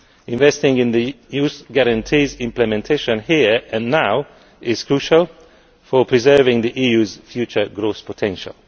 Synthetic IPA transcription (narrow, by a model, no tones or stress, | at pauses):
ɪ̃ɱvɛstɪ̃ŋɪ̃nði | juːsɡæɹə̃ntʰiːzɪ̃mplɨmɛ̃ntʰeɪʃə̃nhiɹɨ̃nːaʊ | ʔɪz̥kʰɹ̥uʃəlˠ | fəpʰɹ̥izɜ˞vɪ̃ŋðiʔijʉːzfjʉt͡ʃə˞ɡɹospʰətʰɛ̃nʃə̰lˠ